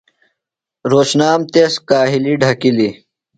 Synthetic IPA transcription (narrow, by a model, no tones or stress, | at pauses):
ɾoːɕnaːmt̪eskaːɦiliɖʱɐkili